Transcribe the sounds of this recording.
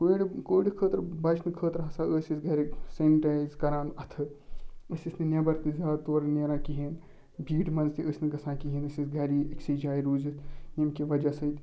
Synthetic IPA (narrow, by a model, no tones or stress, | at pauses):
koːiɽikoːɽikʰəːt̪ɾbɐt͡ʃʰnɨkʰəːt̪ɾɦɐsãəːsisɡʱɐɾiseːnʈaːjzkɐɾaːnɐt̪ʰɨəsʲisnɨnɐbɐɾt̪ɨzʲaːd̪t̪oːɾneɾãːkiɦin | bʱiːʈmɐnzt̪iəːsʲnɨɡɐsãːkiɦiːnɨsisɡʱɐɾiiksiːd͡ʒaːjɾuːzit̪ʰjemkiʋɐd͡ʒɐsɐit̪